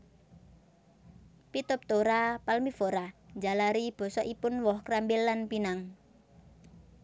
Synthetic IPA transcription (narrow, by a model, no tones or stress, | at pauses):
pit̪ʊp̚t̪oɾapalmifoɾaɲd͡ʒalaɾib̥ɔ̤sɔʔipʊnwɔhkɾambɪlːanpinaŋ